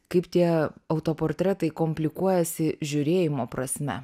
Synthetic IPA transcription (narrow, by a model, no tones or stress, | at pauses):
kɐɪpt̪ʲiɛɐʊt̪oːpoːɾʲt̪ʲɾʲɛt̪ɐɪkoːmʲpʲlʲɪkuɔjɛsʲɪʒʲʊɾʲeːjɪmoːpɾɐsʲmʲɛ̰